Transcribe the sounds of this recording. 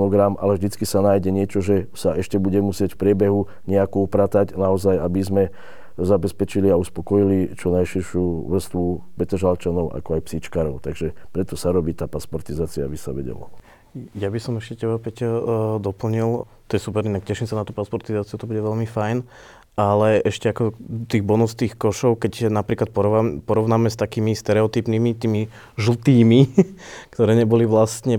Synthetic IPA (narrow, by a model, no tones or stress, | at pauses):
nɔɡɾamʔa̰lɛʒd̪it͡skisanaːjɟɛɲɪɛt͡ʃɔʒɛsaɛʃcɛbuɟɛmusɪɛcfpɾɪɛbɛɦu | ɲɛakɔupɾat̪aɟnaɔzajabizmɛ | zabɛspɛt͡ʃiliauspɔkɔjilit͡ʃɔnajʃiɾʃuʋr̩st̪ʋu | bɛt̪ɔʒalt͡ʃanɔʊʔa̰kɔajpsiːt͡ʃkaːɾɔʊt̪aɡʒɛpɾɛt̪ɔsaɾɔbiːt̪aːpaspɔɾt̪izaːt͡siabisa̰ʋɛ̰ɟɛ̰lɔ̰ | jabisɔmɛʃcɛcɛbapɛcd̪ɔpl̩ɲilt̪ɔjɛsupɛɾinakcɛʃimsanat̪uːpaspɔɾt̪izaːt͡siut̪ɔbuɟɛʋɛʎmifajn | ʔalɛʔɛʃcɛakɔt̪iːɣbɔnust̪iːxkɔʃɔʊkɛcnapɾiːklat̪̚pɔɾɔpɔɾɔʊnaːmɛst̪akiːmist̪ɛɾɛɔt̪iːpnimit̪iːmi | ʒl̩t̪iːmikt̪ɔɾɛːɲɛbɔliʋlast̪ɲɛ